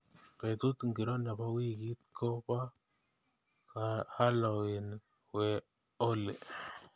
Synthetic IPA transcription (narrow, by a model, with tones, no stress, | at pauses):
pɛ˨t̪u˦t̪ŋɡi˨ɾɔ˦na˨pa˦wi˦ki˦t̪̚kʰɔ˦pa˦ | ka˨ha˦lɔ˨wi˨n | wɛ˨ | ɔ˦lɛ˨